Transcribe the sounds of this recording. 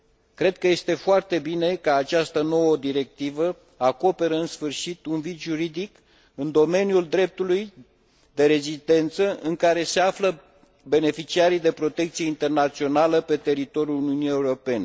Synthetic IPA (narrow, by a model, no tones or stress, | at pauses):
kɾe̞d̪̚kəje̞st̪e̞foart̪e̞bine̞kəat͡ʃast̪əno̞wəd̪iɾe̞k̚t̪ivə | ako̞pe̞ɾəɨnsfɨrʃit̪unvit̪ʒuɾid̪ik | ɨnd̪o̞me̞njuld̪ɾe̞p̚t̪uluj | d̪e̞ɾe̞zist̪e̞nt̪səʔɨŋkaɾe̞se̞aflə | be̞ne̞fit͡ʃiaɾijd̪e̞pɾo̞t̪e̞k̚t̪sijeint̪e̞rnat̪sio̞naləpe̞t̪e̞ɾit̪o̞ɾjuluniunije̞uɾo̞pe̞ne